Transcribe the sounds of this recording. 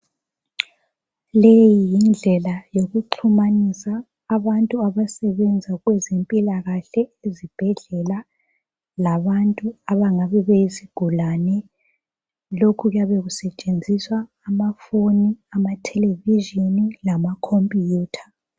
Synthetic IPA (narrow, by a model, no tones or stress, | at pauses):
lejijind͡ɮʱɛlajoɣuǃʰumanisaː | βantʼuaβasɛβɛnd͡zʱaɣwɛzempʼilaɣaɬɛezib̥ʱɛɮɛla | laβantʼuaβaŋaβɛβejiziɡ̥ʱulanɛ | lokʰuɣjaβeɣusɛt͡ʃʼend͡zʱiswaːmafoniamatʰɛleviʒinilamakʰompʼijuːtʰḁ